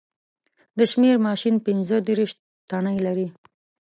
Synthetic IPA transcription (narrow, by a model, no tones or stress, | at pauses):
d̪əʃmeɾmɑʃinpɪnzəd̪eɾiʃ | t̪aɳəjlaɾi